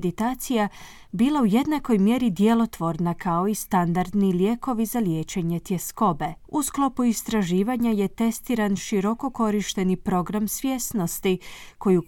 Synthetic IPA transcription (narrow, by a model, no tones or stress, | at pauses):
d̪it̪aːt̪sija | biːlˠauje̞d̪nako̞jmje̞ɾid̪je̞lˠo̞t̪ʋo̞ɾnakʰao̞ist̪and̪aɾd̪nilje̞ko̞ʋizalje̞ːt͡ʃe̞ɲe̞t̪je̞sko̞be̞usklˠo̞puist̪ɾaʒiːʋaɲaje̞t̪e̞st̪iːɾanʃiɾo̞ko̞ko̞ɾiʃt̪e̞nipɾo̞ɡɾamsʋje̞st̪no̞st̪iko̞ju